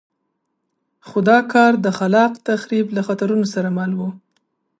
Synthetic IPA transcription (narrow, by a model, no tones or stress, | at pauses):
xʊd̪ɑkɑɾd̪əxalɑqt̪axɾiblaxat̪aɾunosaɾamalwu